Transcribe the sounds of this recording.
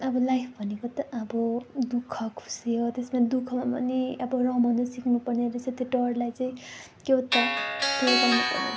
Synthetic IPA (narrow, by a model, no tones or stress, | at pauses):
ʌbʌlajpʰbʱʌnekot̪ʌʌbʌd̪ukʰʌkʰu̥sijot̪esmad̪ukʰʌmapʌ̰niʌbʌrʌ̃bʱʌnd̪ʌsiknupʌrneɾʌset̪iʈʌrlajt͡saĩ | kewt̪ʌkebʌnupʌ̰rnḛ